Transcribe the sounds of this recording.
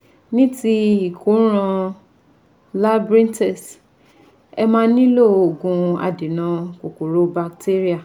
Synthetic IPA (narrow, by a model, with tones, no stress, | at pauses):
nĩ˦ti˦i˨kõ˨˦ɾ̃ã˧ | la˦bɾĩ˦ntɛ˦˨s | ɛ˧mãː˦nĩ˦lo˦˨o˨ɡũ˧a̰˧de˨nã˧ko˨ku˨ɾo˨˦ba˧kte˦ɾi˦a˦˨